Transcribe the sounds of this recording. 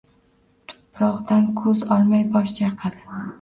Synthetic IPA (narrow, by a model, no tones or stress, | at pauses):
t̪ʰʊ̥pʰɾɒʁd̪ankʰɵzɒlˠmajbɒʃt͡ʃaqʰad̪ɪ